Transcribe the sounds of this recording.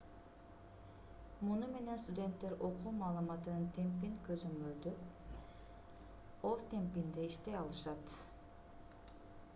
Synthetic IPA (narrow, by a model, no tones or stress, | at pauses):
munume̞nenst̪ud̪ʲe̞nt̪ːe̞ɾo̞qʰuːmɑːlˠɯmɑt̪ɯnɯnt̪ʰe̞mpinkøzømøld̪y | ozt̪ʰe̞mpind̪eiʃt̪ejɑlˠɯʃɑt̪